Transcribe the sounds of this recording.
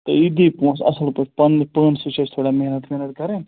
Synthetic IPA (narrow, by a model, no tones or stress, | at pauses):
t̪ɐid̪ipõːsɐ̰səlpɐpɐnːpəːnsut͡ʃʰest̪ʰoːɽameɦnət̪meɦnəʈ̪̚kɐɾeːn